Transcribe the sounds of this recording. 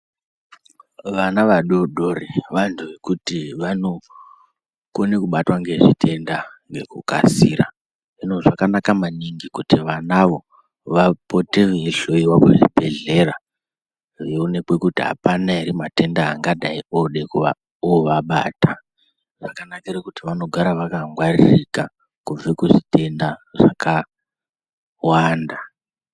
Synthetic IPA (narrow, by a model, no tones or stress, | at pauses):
ʋanaʋaɗoɗoreʋantʰuʋe̞kutiʋano̞ | konekuɓatwaŋɡe̞ʐitʰe̞ndaŋɡe̞kuka̰siːɾa̰ | ʐino̞ʐakanakamaniŋɡikutiʋanaʋo̞ | ʋapo̞te̞ʋeeɬo̞iwakeʐibʱe̞ɮe̞ra | jeune̞kwe̞kutiɦa̰panairimate̞ndaːŋɡadʱaioɗe̞kua | oʋaɓa̰ːtʰa | ʐakanakirekutiʋano̞ɡʱaɾaʋakaŋɡwarḭrika | kuvekuʐite̞ndaʐ̥aka | waːnda